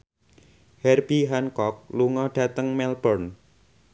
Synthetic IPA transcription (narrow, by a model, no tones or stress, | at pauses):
hɛrb̥iɦankɔk̚luŋɔɖ̥ä̤t̪əŋmɛlb̥ərn